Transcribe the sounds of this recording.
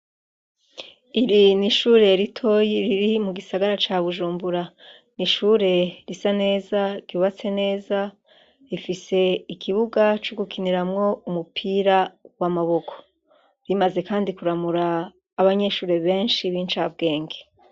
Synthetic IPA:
iɾiniʃuːɾe̞ɾitʰo̞jiɾiɾimuɡisaɡaɾat͡ʃaβuʒuːmbuɾa | niʃuːɾe̞ɾisane̞ːzaɡuːβat͡se̞ne̞ːza | ɾifise̞ikʰiβuɡat͡ʃoɡukʰiniɾamŋo̞umupʰiːɾawamaβo̞kʰo̞̥ | ɾimaze̞kaːndikuɾamuɾaː | βaɲe̞ʃuːɾe̞βe̞ːnʃiβiːnt͡ʃabɡe̞ːŋɡe

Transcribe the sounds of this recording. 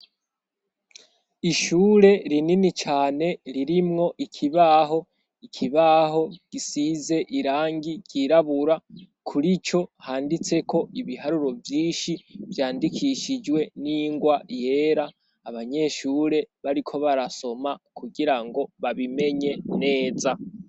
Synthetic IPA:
iʃuːɾe̞ɾininit͡ʃaːne̞ɾiɾimŋo̞ʔikʰiβaɦo̞ | ikʰiβaɦo̞ɡ̥isize̞ʔiɾaːŋɡiɟiɾaβuɾa | kʰuɾit͡ʃo̞haːndit͡se̞kʰo̞iβihaɾuɾo̞vjiːnʃivjaːndikʰiʃid͡ʒwe̞niŋɡwaje̞ːɾaː | βaɲe̞ʃuːɾe̞βaɾikʰo̞βaɾaso̞makʰuɡiɾaŋɡo̞βaβime̞ɲe̞ne̞ːza

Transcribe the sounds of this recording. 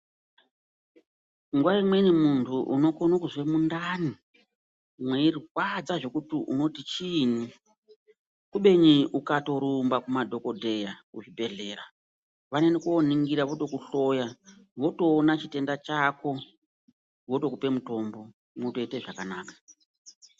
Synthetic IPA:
ŋɡwaimwe̞nimuntʰuʔṵno̞konokuzwe̞mundani | mwe̞irwad͡zaʐo̞kutiʔṵno̞tit͡ʃini | kuɓe̞ɲiʔukato̞ɾumbakumadʱo̞ko̞dʱe̞jauʐibʱe̞ɮe̞ːɾa | ʋanenekuoniŋɡiɾaʋo̞to̞kuɬo̞jaʋo̞to̞ːnat͡ʃite̞ndat͡ʃako̞ | ʋoto̞kupe̞muto̞mbo̞ | motoite̞ʐakanaːkḁ

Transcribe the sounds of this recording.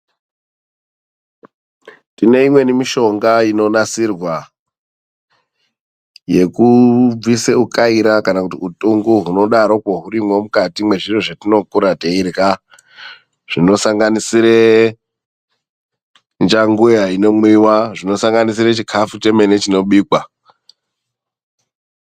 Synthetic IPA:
tine̞imwe̞nimiʃo̞ŋɡaino̞nasirwa | je̞kub͡viseukaiɾakanakutiutʼuŋɡuɦuno̞ɗaɾo̞kwoɦuɾimwo̞mukatimwe̞ʐiroʐetino̞kuɾateiɾka | ʐ̥ino̞saŋɡanisiɾe | nd͡ʒaŋɡujaino̞mwiwaʐino̞saŋɡanis̬iɾet͡ʃikʰafut͡ʃe̞menet͡ʃino̞ɓiːkwa

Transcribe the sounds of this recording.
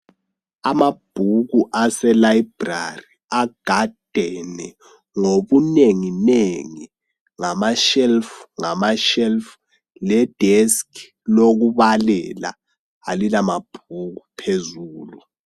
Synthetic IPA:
amab̥ʱuɣuʔasɛlajb̥ra̰ri | aɡ̥ʱad̥ʱɛnɛ | ŋoβuneŋineŋi | ŋamaʃɛlfuŋamaʃɛlfu̥ | lɛd̥ʱɛsk | loɣuβalɛla̰ | alilamab̥ʱuɣupʰezuːlu

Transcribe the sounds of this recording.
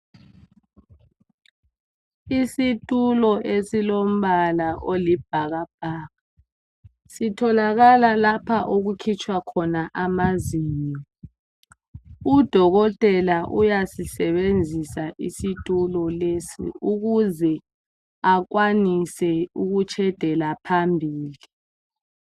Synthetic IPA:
isitʼulɔʔesilom̩βalaʔolib̥ʱaɣab̥̚ʱaːɣa | sitʰɔlaɣalalapʰaʔoɣukʰit͡ʃʼwakʰɔnaʔamaziːɲɔ | ud̥ʱɔɣɔtʼɛlaʔujasisɛβend͡zʱisaʔisitʼulɔlesḭuɣuzɛ | ak̬wanisɛuɣut͡ʃʰʼɛd̥ʱɛlapʰambʱiːli

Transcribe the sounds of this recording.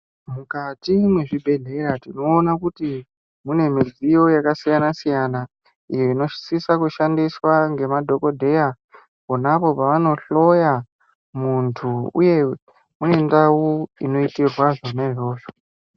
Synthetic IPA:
mukatimwe̞ʐibʱe̞ɮe̞ɾatino̞ːnakuti | mune̞mizijo̞jakasijanasijana | ijo̞ino̞ʃsisakuʃandiswaŋɡe̞madʱo̞ko̞dʱe̞ja | konapopaʋano̞ɬo̞ja | muntʰuṵje̞ | mune̞ndauino̞itirwaʐonaiʐo̞ːʂo̥

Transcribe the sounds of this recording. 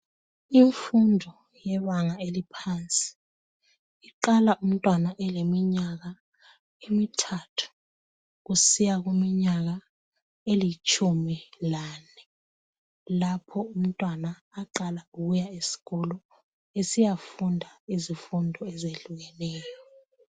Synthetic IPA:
iɱfundʱɔ | jɛβaŋaelipʰant͡sʼi̥ | iǃalaʔum̩tʼwanaʔɛlemiɲaɣa | emitʰatʰu̥ | ɣusijaɣumiɲaɣa | elit͡ʃʼʰumilaːnɛ | lapʰɔum̩tʼwanaːǃalauɣujaesi̥ɣɔlɔ | esijafundʱaizifundʱɔɛzeɮuɣɛnɛːjɔ

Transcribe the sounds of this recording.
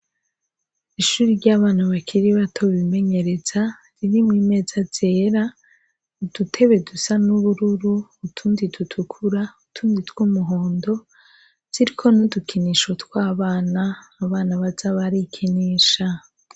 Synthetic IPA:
iʃuːɾiɾɟaːβaːnaβakʰiɾiβatʰo̞βime̞ɲe̞ɾe̞za | ɾiɾimŋiːme̞ːzaz̥e̞ːɾa | ud̥utʰe̞βe̞dusanuβuɾuɾuːtʰuːnditutʰukʰuɾautʰuːnditwuːmuɦoːndo̞ | z̥iɾikʰo̞nudukʰiniʃo̞tkwaːβaːnaːβaːnaβazaβaɾikʰiniːʃa

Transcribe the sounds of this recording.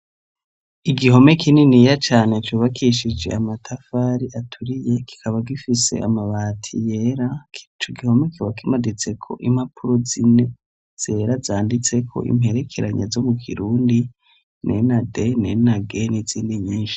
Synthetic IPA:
iɡiɦo̞me̞kʰininijat͡ʃaːne̞t͡ʃuːβakiʃid͡ʒe̞̰amatʰafaːɾiʔatʰuɾije̞ki̥kʰaβaɡifise̞̰ʔa̰maβaːtʰḭjeːɾat͡ʃoɡiho̞mekiβakimadit͡se̞kʰo̞̰ʔim̥hapʰuɾozine̞ | z̥e̞ːɾazaːndit͡se̞kʰo̞̰ʔḭme̞ɾe̞kʰeɾaɲazo̞mukʰḭɾuːndi | nḛnade̞nenaɡe̞niz̥iːndiɲiːnʃi̥

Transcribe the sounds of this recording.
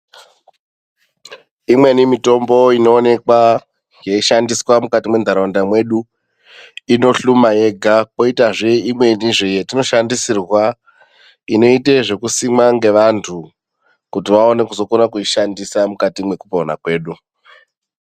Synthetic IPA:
imwe̞nimito̞mbo̞ino̞ːne̞kwa | ŋjeiʃandiswamukatimwe̞nd̪ʱaɾondamwe̞ɗu | ino̞ɬumaje̞ɡʱako̞itaʐeimwe̞niʐejetino̞ʃandisirwa | ino̞iteʐe̞kusimaŋɡe̞ʋantʰu | kutiʋao̞ne̞kuzo̞konakuiʃandisamukatimwe̞kupona̰kwe̞ːɗu

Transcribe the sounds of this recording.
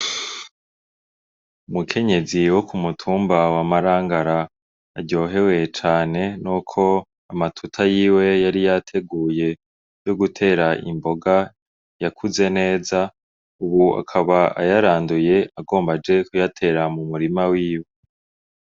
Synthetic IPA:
umukʰe̞ɲe̞ziwo̞kumutʰuːmbawamaɾaːŋɡaɾaː | ɟo̞ːɦe̞we̞t͡ʃaːne̞nukʰo̞ | amatʰutʰajiːwe̞jaɾijatʰe̞ɡuːje̞ | joɡutʰe̞ːɾaʔḭmbo̞ɡa | jakʰuze̞ne̞ːza | uβua̰kʰaβaa̰jaɾaːnduje̞aɡo̞ːmbad͡ʒe̞kujatʰe̞ːɾamumuɾimawiːwe̞

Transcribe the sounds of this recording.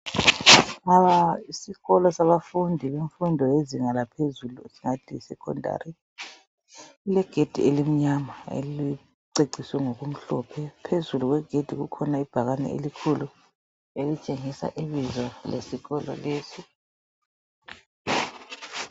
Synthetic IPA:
aβaisiɣɔlɔsaβafundʱiβeɱfundʱɔjeziŋalapʰezulusiŋatʰisɛkʰɔ̰ndʱa̰ːɾi | lɛɡ̥ʱed̥ʱielim̩ɲamaḛli | ǀeɡ͡ǀʱiswɛŋoɣum̩ɬɔpʰɛpʰezuluɣwɛɡ̥ʱed̥ʱiɣṵkʰɔnaib̥ʱaɣanɛ̰ḛlikʰulu | elit͡ʃʼeŋisa̰ʔiβizwalḛsiɣɔlɔ̰leːsi

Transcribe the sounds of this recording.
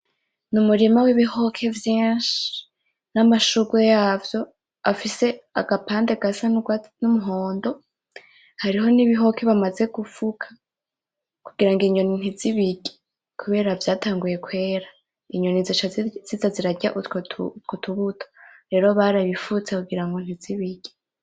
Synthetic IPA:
numuɾimawiβiho̞kʰe̞vjiːnʃi̥ | namaʃuɡwejaːvjo̞ | afise̞a̰ɡ̥apaːndeɡasanumuɦo̞ːndo̞ | haɾiɦo̞niβiɦo̞kʰe̞βamaze̞ɡufukʰḁ | kuɡiɾaŋɡiɲonin̥hiziβiɡ̥e̥ | kʰuβe̞ːɾavjaːtʰaːŋɡuje̞kwe̞ːɾa | iɲo̞niziʃaz̥izaziɾaɟa̰ʔutʰːtkotʰuβutʰo̥ɾe̞ːɾo̞βaɾaβifut͡sekuɡiɾaŋɡon̥iziβiɡ̥e

